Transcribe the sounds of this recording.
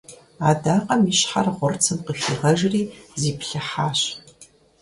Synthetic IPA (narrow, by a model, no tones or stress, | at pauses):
aːdaːqʼɐmiɕħa̰rʁʷʊrt͡sʰɨnqəxiːʁɐʒriːziːpɬɐħaːɕ